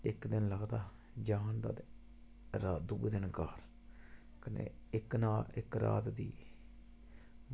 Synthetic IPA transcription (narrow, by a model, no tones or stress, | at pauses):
ɪkd̪ɪnləɡd̪aː | d͡ʒaːnd̪a̰ːt̪ | ɾaːd̪ʊɡd̪ɪnkaːɾ | kənḛːɪknaːlɪ̰kɾa̰ːt̪d̪iː